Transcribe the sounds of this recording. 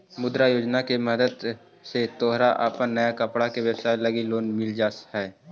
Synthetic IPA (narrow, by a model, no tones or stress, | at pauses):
mʊd̪ɾajoːd͡ʒnakeməd̪əd̪ | set̪oːɦɾaʔa̰ːpənːɐjakəpɽakeʋəbsaːjlɐɡiloːnmɪld͡ʒaːshɛː